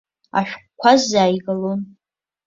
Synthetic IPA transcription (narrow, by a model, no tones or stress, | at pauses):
a̰ʃʷᶣkʷkʷʰazaːjɡalon